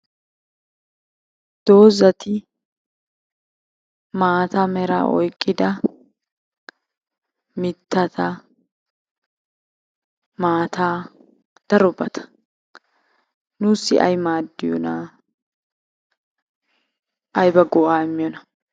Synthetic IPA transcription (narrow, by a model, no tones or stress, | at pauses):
d̪̥o̞ːzɐt̪ɪ | maːt̪ɐmɛɾa̰ʔɔ̰jkʼːɪd̪ɐ | mɪt̪ːɐt̪ɐ | maːt̪aː | d̪̥ɐɾɔbɐt̪ʰɐ̥ | nʊsːɪ̰ʔɐ̰jmaːd̪ːɪjɔnaː | ʔɐjbɐɡɔʔaːmːɪjɔnɐ